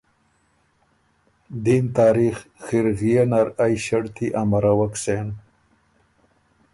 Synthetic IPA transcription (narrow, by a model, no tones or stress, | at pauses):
d̪int̪ɑːɾixxiɾɣijanaɾajɕaɽt̪iʔamaɾawaksen